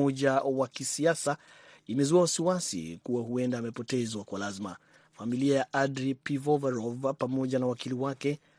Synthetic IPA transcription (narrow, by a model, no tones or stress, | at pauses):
ɔʄawakisiasa | imɛzuawasiwasḭkuwahuɛndaːmɛpɔtɛzwakwalazima̰ | familiajaʔadɾipivɔvaɾɔvapamɔʄanawakiliwakɛ